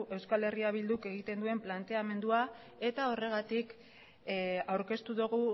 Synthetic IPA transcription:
e̞wskale̞riaβ̞ild̪uke̞ɣ̞it̪e̞nd̪ue̞mplant̪e̞ame̞nd̪ua | e̞t̪ao̞re̞ɣ̞at̪ik | awɾke̞st̪uðoɣu

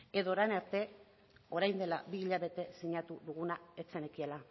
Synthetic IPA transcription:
e̞ðo̞ɾajnaɾt̪e̞ | o̞ɾajnd̪e̞labiiʎaβe̞t̪e̞siɲat̪uðuɣunaet͡se̞nekiela

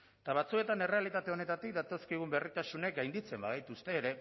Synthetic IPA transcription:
t̪aβ̞at͡sue̞t̪ane̞re̞alit̪at̪e̞o̞ne̞t̪at̪ik̚d̪at̪o̞skiɣ̞umbe̞rit̪asune̞k̚ɡajnd̪it͡se̞mbaɣejt̪ust̪e̞ːɾe̞

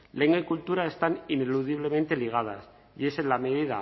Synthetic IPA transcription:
le̞ŋɡaikult̪uɾae̞st̪anine̞luðiβ̞le̞me̞nt̪e̞liɣ̞að̞a̰s | ie̞senlame̞ðiða̰

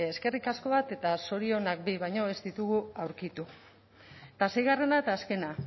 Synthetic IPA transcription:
eske̞rikasko̞β̞at̪e̞t̪aso̞ɾio̞nak̚biβajɲo̞e̞zd̪it̪uɣuawɾkit̪u | t̪ase̞jɣare̞nat̪aːske̞na

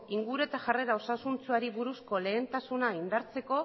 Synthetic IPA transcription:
iŋɡuɾue̞t̪aʝare̞ɾao̞sasunt͡suaɾiβuɾusko̞le̞ːnt̪asunaind̪aɾt͡se̞ko̞

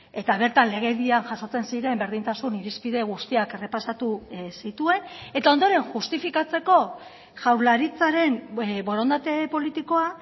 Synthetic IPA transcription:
e̞t̪aβ̞e̞ɾt̪anle̞ɣ̞eðianʝaso̞t͡se̞nsiɾe̞mbe̞ɾð̞int̪asuniɾispiðe̞ɣ̞ust̪iakere̞pasat̪usit̪ue̞ne̞t̪ao̞nd̪o̞ɾe̞ŋʝust̪ifikat͡se̞ko̞ | ʝawɾlaɾit͡saɾe̞mbo̞ɾo̞nd̪at̪e̞po̞lit̪iko̞a

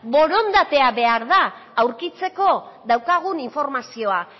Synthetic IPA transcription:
bo̞ɾo̞nd̪at̪e̞aβe̞aɾðaːwɾkit͡se̞ko̞ðawkaɣ̞uniɱfo̞ɾmasio̞a

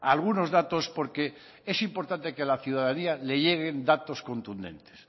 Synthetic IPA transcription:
alɣ̞uno̞zðat̪o̞spo̞ɾke̞ | e̞simpo̞ɾt̪ant̪e̞kealaθjuðaðaniale̞ʝe̞ɣ̞e̞nd̪at̪o̞sko̞nt̪und̪e̞̰nt̪es

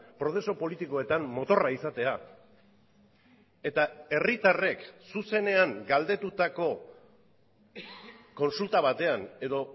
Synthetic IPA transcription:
pɾo̞θe̞so̞po̞lit̪iko̞e̞t̪ammo̞t̪o̞raisat̪e̞a | e̞t̪ae̞rit̪are̞ksuse̞ne̞aŋɡald̪e̞t̪ut̪ako̞ | ko̞nsult̪aβ̞at̪e̞ane̞ðo̞

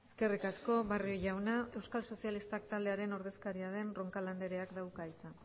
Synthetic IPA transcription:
e̥ske̞rikasko̞βario̞ʝawnae̞wskalso̞sialist̪akt̪ald̪e̞aɾe̞no̞ɾð̞e̞skaɾiað̞e̞nro̞ŋkaland̪e̞ɾe̞akd̪awkait͡sa

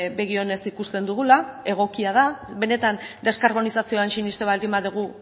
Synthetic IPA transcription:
be̞ɣ̞io̞ne̞sikust̪e̞nd̪uɣulae̞ɣ̞o̞kiað̞aβe̞ne̞t̪and̪e̞skaɾβo̞nisasio̞anʃinist̪eβald̪imaðuɣ̞u

